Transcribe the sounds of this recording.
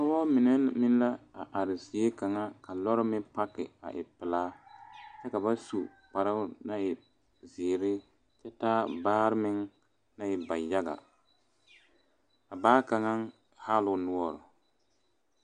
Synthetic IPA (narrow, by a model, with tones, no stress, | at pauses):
a˨˦wɔ˦mɪ˨nɛ˦mɪ˦n˦la˦a˨ʔa˨ɾɪ˨zi˨e˦ka˨ŋa˦ka˨lɔ˦ɾɪ˦mɪ˦pa˦kɪ̰˨a̰˨ʔɪ̰˨pɪ˨laː˦t͡ʃɛ˦ka˨ba˦su˨ | k͡pa˨ɾɪ˦na˦ɪ˨ | ziː˨ɾɪ˦ | t͡ʃɛ˦taː˦baː˦ɾɪ˦mɪ˦ŋ | na˦jɪ˨ba˨ja˦ɡa̰˨ | a˨baː˦ka˨ŋa˦ŋ | haː˦lʊ˨nʊ˦ɔ˦ɾʊ˨